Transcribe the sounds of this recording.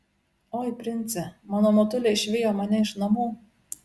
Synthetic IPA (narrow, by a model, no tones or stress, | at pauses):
oːjpʲɾʲɪnʲt̪sʲɛmɑːnoːmot̪ʊlʲeɪʃʲʋʲɪjoːmɐnʲɛɪʃnɐmuː